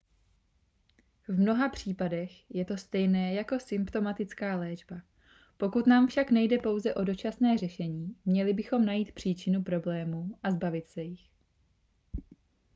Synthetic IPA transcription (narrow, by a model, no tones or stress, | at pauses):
vmno̞ɦapr̝̥iːpadɛxjɛt̪o̞st̪ɛjnɛːjako̞sɪmpt̪o̞mat̪ɪt͡skaːlɛːd͡ʒba | po̞kut̪naːmfʃaknɛjdɛpo̞wzɛʔo̞do̞t͡ʃasnɛːrɛʃɛɲiːmɲɛlɪbɪxo̞mnajiːt̪pr̝̥iːt͡ʃɪnupɾo̞blɛːmuːʔazbavɪt̪sɛjɪx